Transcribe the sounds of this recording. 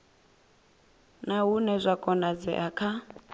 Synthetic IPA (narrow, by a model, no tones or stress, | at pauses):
naɦunɛzʷakʼɔnad͡zɛ̰ʔakʰa